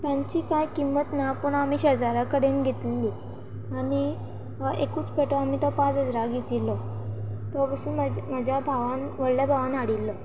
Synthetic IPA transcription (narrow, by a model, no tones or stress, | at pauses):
t̪jãɲt͡ɕiːkajkimːət̪napəɳamiːɕəd͡zaɾakəɽ̤enɡʱet̪lːi | aɽ̃i | ekuːt͡speʈɔamit̪ɔpãd͡zəd͡zɾaɡʱet̪ilɔ | t̪ɔbəsuːnməməd͡ʑʱjabʱaʋanʋəɽljabʱaʋãnaɽilːɔ